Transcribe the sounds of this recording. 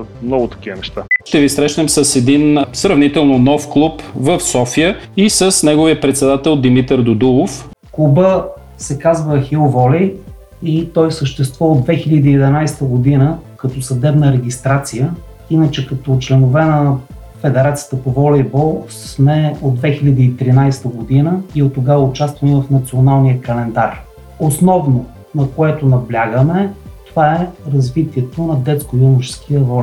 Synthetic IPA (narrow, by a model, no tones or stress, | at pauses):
mnɔɡʊt̪ɐ̥kivənɛʃt̪aʃt̪ɛvisɾɛʃnɛmsəsɛd̪insɾɐvnit̪ɛlˠnonɔfklˠupvəfsɔfijəisəsnɛɡovijəpɾɛt̪sɛd̪at̪ɛlˠd̪imit̪ɛɾd̪od̪ulˠof | kubə | sɛkazvəxiovɔlɛj | it̪ɔjsəʃt̪ɛst̪vɔod̪vɛxilʎʲəd̪iːɛd̪ɛnajst̪əɡod̪inəkɐt̪ɔsɐd̪ɛbnəɾɛɡ̟ʲist̪ɾat̪sijə | inət͡ʃɛkɐt̪ɔt͡ʃlɛnʊvɛnɐ | fɛd̪ɛɾat̪sijə̥t̪əpovɔlɛjbɔlˠsmɛod̪̚vɛxilʲəd̪iːt̪ɾinajst̪əɡod̪inəiot̪ːoɡavəʊt͡ʃast̪vɐnivɐfnɐt̪sionalˠniəkɐlɛnd̪aɾ | osnɔvno | nɐkoɛt̪ʊnɐblʲaɡəmɛt̪ovaɛɾɐzvit̪iɛt̪onɐd̪ɛt̪skʊonʊt͡ʃɛ̥skiəvɔlʲ